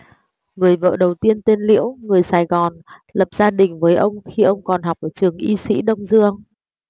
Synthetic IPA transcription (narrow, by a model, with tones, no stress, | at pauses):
ŋɨ˨˩əjvə̰ː˧˨ɗə˨˩wt̪i˧ənt̪e˧nlḭ˧˥əwŋɨ˨˩əjsaː˨˩jɣɔ˨˩nlə˨˩p̚z̥aː˧ɗï˨˩ŋ̟vəː˨˦jʔə˧wŋ͡mxi˧ʔə˧wŋ͡mkɔ˨˩nɦa˨˩wk͡p̚ʔəː˧˩t͡ɕɨ˨˩əŋʔi˧sḭ˧˥ɗə˧wŋ͡mzɨ˧əŋ